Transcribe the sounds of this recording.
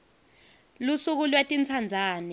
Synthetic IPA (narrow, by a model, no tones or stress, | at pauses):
lusuk̬ulwetʼint͡sʰand͡zʱaːnɛ